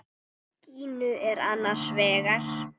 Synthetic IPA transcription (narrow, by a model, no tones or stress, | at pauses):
ciːnʏʔɛɾanːḁsvɛːɣaɬ